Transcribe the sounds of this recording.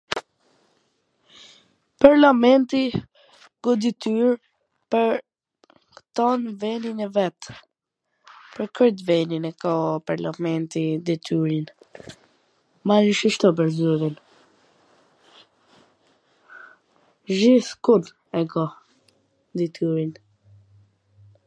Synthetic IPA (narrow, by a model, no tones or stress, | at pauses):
paɾlamɛnt̪i | ɡɔd̪it̪yɾ | pəɾ | kt̪ɔnvɛninɛvɛt̪ | pəɾkʰəɾt̪vɛninɛkɔpaɾlamɛnt̪id̪it̪ʰyɾin | maniʃiʃt̪ɔp̬əɾzyɾin | ʒiθkud̪ | ɛɡɔ | d̪it̪ʰyɾin